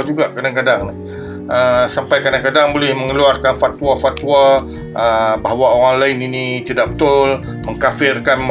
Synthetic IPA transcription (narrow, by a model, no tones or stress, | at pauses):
d͡ʒuɡaʔkadaŋkadaŋnɪ | əsampajkadaŋkadaŋbolɪhməŋəluarkanfat̪uwafat̪ua | ʔəbaɦawaoɾaŋlaɪninit͡ʃədabət̪ʊl | məŋkafɪrkanm